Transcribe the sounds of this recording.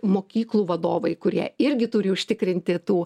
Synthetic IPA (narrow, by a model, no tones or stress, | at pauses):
moːkʲiːklˠuːʋɐd̪oːʋɐɪkʊɾʲiɛɪɾʲɡʲɪt̪ʊɾʲɪʊʃʲt̪ʲɪkɾʲɪnʲt̪ʲɪt̪uː